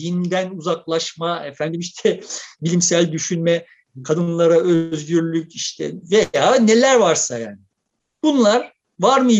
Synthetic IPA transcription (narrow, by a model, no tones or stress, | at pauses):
ind̪ænuzaklˠaʃmaefænd̪imiʃt̪ʰɛbilʲimsælʲd̪yʃynmɛ | kʰad̪ɯnlˠaɾaøzɟyɾlʲyciʃt̪ʰɛ̰vejjaːne̞lʲæɾvaɾsaja̰ːni | b̥unlˠaɾ | vaɾmɯ